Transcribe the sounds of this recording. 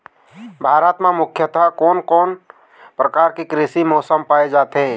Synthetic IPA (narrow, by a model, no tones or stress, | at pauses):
bʱaɾət̪mamukʰjət̪akɔːnkɔːn | pɾəkaɾkekɾisimɔsəmpaed͡ʒat̪e